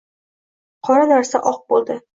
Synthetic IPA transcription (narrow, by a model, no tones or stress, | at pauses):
qʰɒɾanaɾsaʔɒq̚bolˠd̪ɪ